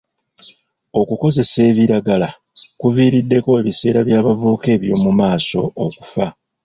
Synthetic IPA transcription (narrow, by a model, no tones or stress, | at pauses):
o̞kuko̞ze̞se̞ːβiɾaɡala | kuviːɾidːe̞ko̞e̞βise̞ːɾaβjaːβavuːke̞ːβjo̞ːmumaːso̞̰ːku̥fa